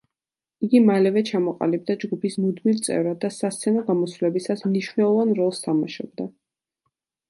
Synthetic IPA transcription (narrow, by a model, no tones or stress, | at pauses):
iɡimalɛvɛt͡ʃʰamɔqʼa̰lib̚d̪ad͡ʒɡupʰismud̪milt̪sʼɛ̰vɾad̪ːasast̪sʰɛnɔɡamɔsvulɛbisasmniʃvnɛlˠɔvanɾɔlˠst̪ʰamaʃɔbd̪a